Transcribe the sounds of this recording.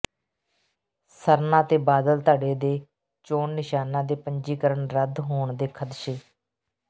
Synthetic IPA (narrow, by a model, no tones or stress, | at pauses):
səɾnãːt̪eːbaːd̪əlt̪aːɖeːd̪eː | t͡ʃoːnnɪʃaːnãːd̪eːpəɲd͡ʒiːkəɾəɳɾəd̪ɦoːɳd̪eːkʰəd̪ʃeː